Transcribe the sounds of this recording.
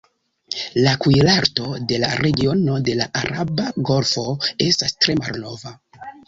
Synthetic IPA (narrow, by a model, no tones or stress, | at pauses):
lakujlaɾto̞de̞la̰ɾe̞ɡio̞no̞de̞laʔaɾabaɡo̞lfo̞e̞stastɾe̞ma̰lno̞va